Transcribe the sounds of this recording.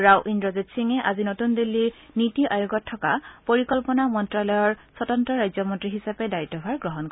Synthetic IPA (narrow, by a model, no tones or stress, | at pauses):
ɹawʔindɹɔzitsiŋɛʔazinotundilːi | nitiʔajuɡɔtʰːɔkapoɹikɔlpɔnamɔntɹalɔjɔɹsɔtɔntɹɔɹajzɔmɔntɹiɦisapɛdaitːɔbʱaɹɡɹɔɦɔnkɔɛ